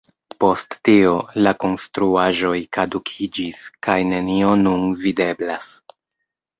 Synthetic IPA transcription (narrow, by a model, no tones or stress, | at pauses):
po̞stːio̞lako̞nstɾuaʒo̞jkadukʰid͡ʒiskajne̞nio̞nunvide̞blas